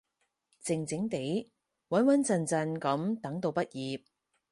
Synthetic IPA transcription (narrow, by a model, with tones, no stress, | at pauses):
t͡sɪ˨ŋt͡sɪ˨˥ŋt̪e˨˥j | wɐ˨˥nwɐ˨˥nt͡sɐ˧nt͡sɐ˧nkɐ˨˥mt̪ɐ˨˥ŋt̪o˧wpɐ˥t̚jiː˨p̚